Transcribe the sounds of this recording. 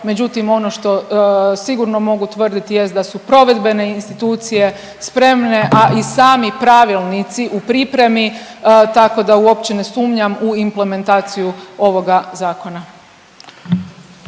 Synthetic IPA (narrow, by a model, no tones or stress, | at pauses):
me̞d͡ʑut̪imo̞no̞ʃt̪o̞siɡuɾno̞mo̞ɡut̪ʋər̩d̪it̪ije̞st̪d̪asupɾo̞ʋe̞d̪be̞ne̞inst̪it̪uːt̪sije̞ | spɾe̞mne̞ʔaʔisaːmipɾaʋilˠnit̪siʔupɾipɾe̞mit̪ako̞d̪auo̞pt͡ɕe̞ne̞suːmɲamuimple̞me̞nt̪aːt̪sijuo̞ʋo̞ɡazaːko̞na